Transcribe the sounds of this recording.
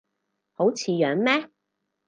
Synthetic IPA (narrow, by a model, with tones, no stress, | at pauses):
ho˨˥wt͡sʰiː˨˧jœː˨˥ŋmɛː˥